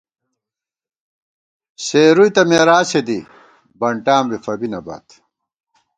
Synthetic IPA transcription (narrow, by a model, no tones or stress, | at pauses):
seːɾujt̪ɐmeːɾaːsed̪i | bɐɳʈaːmbifɐbinɐba̰ːt̪